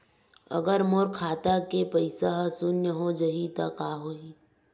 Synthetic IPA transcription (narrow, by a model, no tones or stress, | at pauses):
ə̰ɡəɾmoːɾkʰaːt̪akepəɪsaɦəsʊnjəɦod͡ʒɐɦit̪akaːɦoi